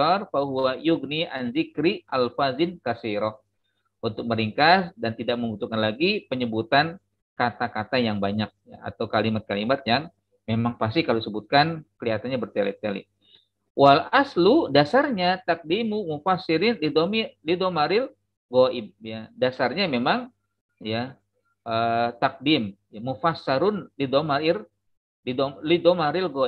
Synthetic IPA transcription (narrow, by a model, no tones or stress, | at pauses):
ɔrfaɦuajuɡniʔanzikɾiʔalfazɪnkasiɾɔh | ʔunt̪ʊk̚məɾiŋkasdant̪idak̚məmbut̪ukanlaɡipəɲəbut̪an | kat̪akat̪ajaŋbaɲak̚ja̰a̰t̪awkalimat̪̚kalimat̪̚jaŋ | memaŋpas̬t̪ikalosəbut̪̚kankəliɦat̪anɲabərt̪elɛ̰t̪elḭ | walasludasarɲat̪ak̚dimumufasiɾɪnlid̪omilidomaɾɪl | ɡoɪb̚jadasarɲamemaŋ | ja | ʔət̪ak̚dimjaːufasːaɾʊnlidomaɾɪr | lidomlidomaɾɪlɡo